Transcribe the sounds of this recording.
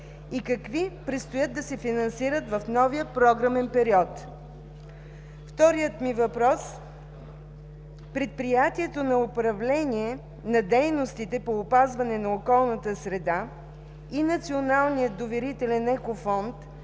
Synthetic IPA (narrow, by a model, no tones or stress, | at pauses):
ikɐkvipɾɛt̪st̪ojət̪̚d̪ɐsɛfinɐnsiɾət̪vɐfnɔvijəpɾɔɡɾəmɛnpɛɾiɔt̪ | ft̪ɔɾijət̪mivɐpɾɔs | pɾɛt̪̚pɾijat̪iɛt̪onɐʊpɾɐvlɛniɛ | nɐd̪ɛjnost̪it̪ɛpoːpazvɐnɛnɐokɔlˠnət̪əsɾɛd̪a | inɐt̪sionalˠnijəd̪ovɛɾit̪ɛlʲɛnɛkofɔnt̪